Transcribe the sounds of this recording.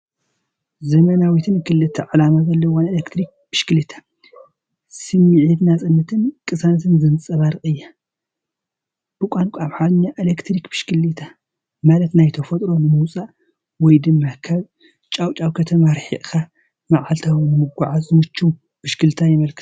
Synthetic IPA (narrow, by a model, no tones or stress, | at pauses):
zɐmɐnawit̪ʰɨnkʰɨlːɨt̪ʰːɐʕalamazɐlːɐwanelekt̪ʰɾik̚b̥ɨʃkɨlit̪ʰḁ | sɨmiʕid̪nat͡sʼɨnːɐt̪ʰɨnkʼɨsanɐt̪ʰɨnzɨnt͡sʼɐβaɾɨxʼɨjːa | b̥ɨkʷʼankʷʰʼuaβħad̪ɨɲːaʔelekt̪ʰɾikb̥ɨʃkʰɨlit̪ʰa | malɐt̪najt̪ʰɐfɐt̪ʼɾo̞nɨmuwt͡sʼa | wɔjd̪ɨmːakʰaβ | t͡ʃʼawt͡ʃʼawkʰɐt̪ʰɐmaɾħḭʔʼka | maʕalt̪ʰawnɨmɨɡʷaʕazɨmɨt͡ʃːu | b̥ɨʃkɨlt̪ʰajɪmɐlkʰɨt̪u̥